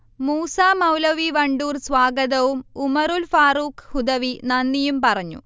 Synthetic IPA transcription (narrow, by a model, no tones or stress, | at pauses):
muːsaːmɐwlɐʋiʋɐɳɖuːrsʋaːɡɐðɐʋumumɐɾulfaːruːkhud̪ɐʋinɐnːijumpɐrɐɲːṵ